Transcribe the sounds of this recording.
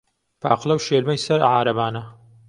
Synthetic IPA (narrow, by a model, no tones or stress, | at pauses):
pʰa̰ːqlɐwʃeːlmɐjsɐɾʕaːɾɐbaːnɐ